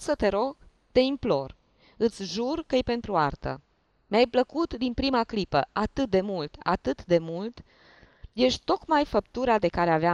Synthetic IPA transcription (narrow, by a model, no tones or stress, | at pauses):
sət̪e̞ɾo̞ɡ | t̪e̞implo̞r | ɨt̪sʲʒurkəjepe̞nt̪ɾuart̪ə̰ | meajpləkut̪d̪inpɾimaklipəʔat̪ɨt̪̚d̪e̞mult̪a̰t̪ɨt̪d̪e̞mult̪ | je̞ʃt̪o̞kmajfəp̚t̪uɾad̪e̞kaɾeavea